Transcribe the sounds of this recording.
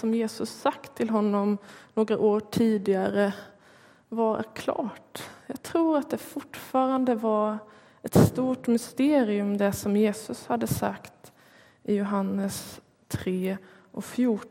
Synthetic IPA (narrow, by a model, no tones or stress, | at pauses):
ɔmjeːsɵsːakt̪ʰːɪlɦɔnːɔmnoːɡɾaʔoːʈʰiːd̪ɪɡaɾə | vaɾæ̰ɾkʰlɑ̰ːʈjɑːɡ̚t̪ʰɾuːɾat̪̚d̪ɛfʊʈːfɑːɾand̪əvaɾ | ɛt̪st̪uːʈmʏst̪eːɾɪɵmd̪ɛsɔmjeːsɵshad̪ːəsa̰kt̪ | ʔɪjʊɦanːəs | t̪ʰɾeː | ʔɔkfjuː